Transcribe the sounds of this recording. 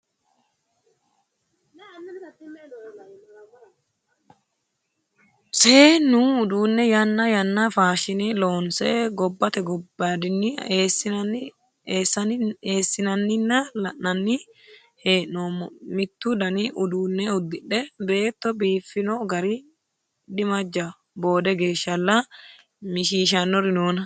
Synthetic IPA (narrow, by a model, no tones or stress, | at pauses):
seːnʊʊd̪uːnːɛjɐnːɐjɐnːɐfaːʃɪnɛloːnseːɡɔbːɐt̪ɛɡɔbad̪ɪnːɪ | sɐeːsːɪnɐnːɪnːɐlɐʔːɐnːi | heːʔoːmmɪt̪ːud̪ɐniʔʊd̪uːnːɛʊd̪ːɪᶑɛbe̞ːt̪ːɔbiːfːɪnoːɡɐɾi | d̪ɪmɐd͡ʒːɐ | bo̞ːd̪ɛɡe̞ːʃːɐlːɐ | mɪʃiːʃ̬ɐnːɔɾɪnoːnɐ